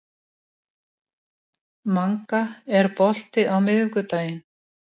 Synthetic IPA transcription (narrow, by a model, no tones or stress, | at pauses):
maŋkaɛɾpɔl̥t̪ɪʔawmɪðʏkʏt̪aːjɪn